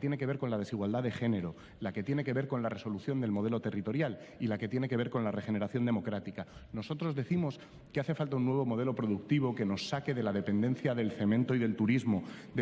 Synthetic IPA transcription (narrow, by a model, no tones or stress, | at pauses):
t̪jene̞ke̞β̞eɾko̞nlað̞e̞siɣwald̪aðe̞xe̞ne̞ɾo̞ | lake̞t̪je̞ne̞ke̞βe̞ɾko̞nlare̞so̞luθjo̞nd̪e̞lmo̞ð̞e̞lo̞t̪e̞rit̪o̞ɾjal | ilake̞t̪je̞ne̞keβe̞ɾko̞nlare̞xe̞ne̞ɾaθjo̞nd̪e̞mo̞kɾat̪ikano̞so̞t̪ɾo̞zðe̞θimo̞s | keaθe̞falt̪aunːwe̞β̞o̞mo̞ð̞e̞lo̞pɾo̞ðukt̪iβ̞o̞ke̞no̞sːake̞ðe̞laðe̞pe̞nd̪ẽ̞n̟θjaðe̞lθe̞mẽnt̪oiðe̞lt̪uɾizmo̞d̪